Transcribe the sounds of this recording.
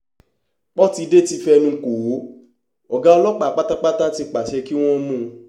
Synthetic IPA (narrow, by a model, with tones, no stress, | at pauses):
k͡pɔ˦ti˧de˦ti˧fɛ˧nũ˧˦ko˨wo˨˦ | ɔ˨ɡa˨˦ɔ˧lɔ˦k͡pa˦˨k͡pa˦ta˦k͡pa˦ta˦ti˧k͡pa˨ʃɛ˧ki˦w̃ɔ̃˦mũ˦˧